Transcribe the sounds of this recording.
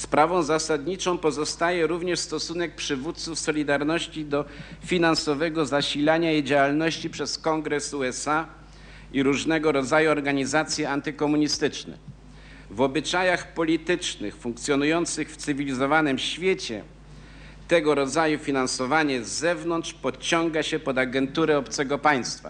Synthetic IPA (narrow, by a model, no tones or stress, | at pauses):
spɾavɔ̃w̃zasad̪ɲit͡ʂɔ̃w̃pɔzɔst̪ajɛɾuvɲɛʂst̪ɔsunɛk̚pʂɘvut̪̚t̪sufsɔlʲid̪aɾnɔɕt͡ɕid̪ɔfʲinansɔvɛɡɔzaɕilaɲaid͡ʑawalnɔɕt͡ɕipʂɛskɔŋɡɾɛsuɛsa | iɾuʐnɛɡɔɾɔd̪zajuɔɾɡaɲizat̪sʲjɛant̪ɘkɔmuɲist̪ɘt͡ʂnɛ̰ | vɔbɘt͡ʂajaxpɔlʲit̪ɘt͡ʂnɘ̰xfuŋk̚t̪sʲjɔnujɔnt̪sɘxft̪sɘvʲilʲizɔvanɘmɕfʲjet͡ɕɛ̰ | t̪ɛɡɔɾɔd̪zajufʲinansɔvaɲɛzɛvnɔntʂpɔt͡ɕɔŋɡaɕɛpɔd̪aɡɛnt̪uɾɛɔpt̪sɛɡɔpaj̃st̪fa̰